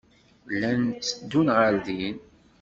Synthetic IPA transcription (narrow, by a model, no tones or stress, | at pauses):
lːænt͡sːəd̪ːunʁəɾðin